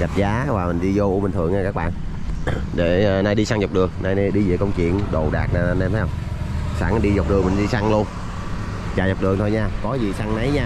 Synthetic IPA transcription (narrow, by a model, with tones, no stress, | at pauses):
ɣa˨˩p̚zaː˨˦vaː˨˩mï˨˩ŋ̟ɗi˧zo˧ʔu˧mï̟˨˩t̪ɨ̰˨˧˨əŋɲaː˧˩kaː˦˥k̚ɓa̰ː˧˨n | ɗe˧˩naː˧jɗi˧saː˧ŋza˨˩wk͡p̚ɗɨ˨˩əŋnaː˧ja˧ɗi˧zḭ˧˩kə˧wŋ͡mt͡ɕḭ˧˨ənɗo˨˩ɗa̰ː˨˩k̚naː˧˩˧n˧mfʰa˨˦hə˧wŋ͡m | saː˧˩n˨˩ɗi˧za˨˩wk͡p̚ɗɨ˨˩əŋmï˨˩ŋ̟ɗi˧sa˧ŋlu˧ən | t͡ɕaː˨˩za˨˩wk͡p̚ɗɨ˨˩əŋt̪ʰo˧jɲaː˧kɔ˨˦zi˨˩sa˧ŋna˨˦jɲaː˧